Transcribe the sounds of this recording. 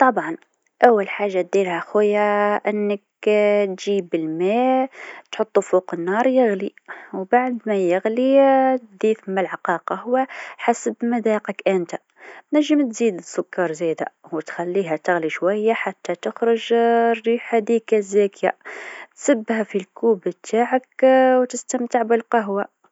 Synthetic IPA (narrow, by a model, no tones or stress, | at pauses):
t̪ˤɑbʕɑn | ʔawːalħaːʒːat̪̚d̪iːlhæxʊjːaʔɪnːək | t̪ʒiːbəlmæt̪ħʊt̪ˤːufoqənːɑːɾˤjɪɣliwbaʕd̪mæjɪɣlit̪d̪iːθɪmːalʕɑqɑːqɑhʊwːæħasəbmad̪æːqəkʔænt̪a | næʒːəmt̪ziːd̪əsːʊkːɑɾˤzæːd̪a̰wt̪xælːiɦæt̪ɪɣliʃwajːaħat̪ːæt̪əxɾʊʒrːiːħad̪ikazækja̰t̪səbːhæfilkuːbt̪ʰaːʕakwt̪ɪst̪æmt̪əʕbəlqɑɦwa